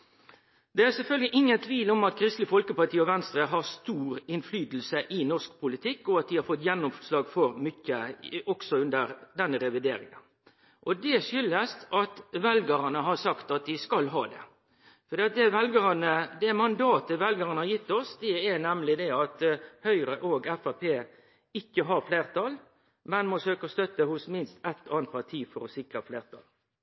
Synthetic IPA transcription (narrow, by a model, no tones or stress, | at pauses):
d̪ɛæɾsɛlfœlɡəlɪʔɪŋːənt̪ʰʋiːlɔmɑt̪kʰɾɪst̪lɪfɔlkəpɑt̪ʰiːɔʋɛnst̪ɾəɦɑst̪uːɾɪnflyːd̪l̩səʔɪnɔsk̚pʰʊlɪt̪ʰɪkːɔɑt̪̚ʋɪhɑɾfɔt̪ːjɛnːɔmslɑːɡfɔɾmʏcːəɔksɔʉnd̪əɾd̪ɛnɾɛʋɪd̪eːɾɪŋə̰n | ʔɔd̪ɛʂʏlːəst̪ɑt̪ʋɛlɡəɾɑnəɦɑsɑkt̪ɑt̪̚ʋɪskɑlɦɑːd̪ɛ̰ | fɔɾd̪iːɑt̪̚d̪ɛʋɛlɡəɾɑnəd̪ɛmɑnd̪ɑːt̪əʋɛlɡəɾənəhɑjɪt̪ːɔsd̪ɛænɛmlɪd̪ɛɑt̪hœʏɾəʔoːɡɛfæpʰeː | ɪkːəɦɑɾfleːʁt̪ʰɑl | mɛnmɔsøːkəɔst̪œt̪ːəhʊsmɪnst̪ɛt̪ːɑːnt̪ʰʋɑɾt̪ʰiːfɔɾɔsɪkɾəfleːɾt̪ʰɑ̰l